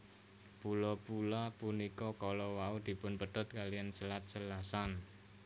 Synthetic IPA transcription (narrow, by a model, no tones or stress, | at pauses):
pulɔpulapunikɔkɔlɔwaud̪̥i̤pʊnpəɖ̪̥ɔ̤t̪̚kalijansəlat̪̚səlasan